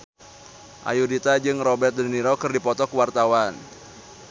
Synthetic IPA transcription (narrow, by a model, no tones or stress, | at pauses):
ʔa̰judit̪ad͡ʒɨŋrɔbɛrt̪̚dəniɾokɨrdipɔt̪ɔkuwart̪awan